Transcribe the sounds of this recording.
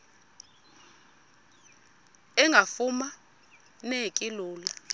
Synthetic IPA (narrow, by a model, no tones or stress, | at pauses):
ɛŋɡʱafuma | nekʼiluːla